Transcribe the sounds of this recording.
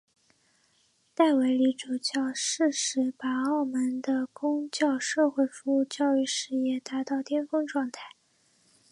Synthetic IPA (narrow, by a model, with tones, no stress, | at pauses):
t̪a˥˩ɪwe˧˥ɪli˧˥ʈ͡ʂu˨˩t͡ɕjɑ˥˧ʊʂɻ̩˥˩ʂɻ̩˧˥pa˨˩ɑ˥˩ʊmə˧˥nd̪ə˧kʊ˥ŋt͡ɕjɑ˥˧ʊʂɤ˥˧xwe˥˩ɪfu˧˥u˥˧t͡ɕjɑ˥˧ʊy˥˩ʂɻ̩˥˧jɛ˥˩t̪a˧˥t̪ɑ˥˩ʊt̪jɛ˥nfɤ˥ŋʈ͡ʂwɑ˥˧ŋt̪ʰa˥˩ɪ